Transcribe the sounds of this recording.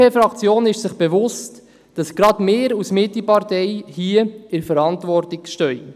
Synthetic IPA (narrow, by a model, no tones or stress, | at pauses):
eːfɾɑkt͡sjoːnɪʃsɪχb̥evʊst | d̥ɑsɡ̥ɾɑdmeːɾusmɪtːipɑɾtɛjhiəɪɾfəɾɑntʋɔrtɪkʃtœʏ